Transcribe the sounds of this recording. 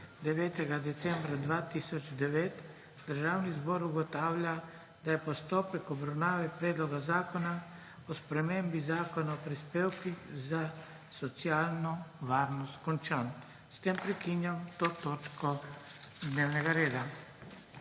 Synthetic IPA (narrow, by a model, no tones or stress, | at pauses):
d̪ɛʋɛːt̪ɛɡad̪ɛt̪sɛmbɾad̪ʋat̪iːsɔd͡ʒd̪ɛʋeːt̪ | d̪əɾʒaːwnizbɔɾuɡɔt̪aːwlʲja | d̪ajɛpɔst̪oːpɛkɔbɾawnaːʋɛpɾeːd̪lɔɡazaːkɔna | ɔspɾɛmembizaːkɔnaɔpɾispeːwkiza | sɔt̪sijaːlnɔʋaːɾnɔst̪kɔnt͡ʃan | st̪empɾɛkinjamt̪oːt̪oːt͡ʃkɔ | d̪neːwnɛɡaɾeːd̪a